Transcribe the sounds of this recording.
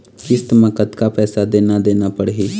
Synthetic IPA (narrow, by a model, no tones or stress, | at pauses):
kɪst̪mə̃kət̪kapɛːsad̪eːnad̪eːnapəɽɦiː